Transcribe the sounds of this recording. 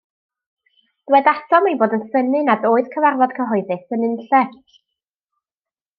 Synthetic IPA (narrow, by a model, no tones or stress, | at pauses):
d̥wɛdasʰɔmejboːdənsənɨnadoːɨð̥kʰəvarvɔd̥kʰəɦɔɨðɨsənɪnɬɛ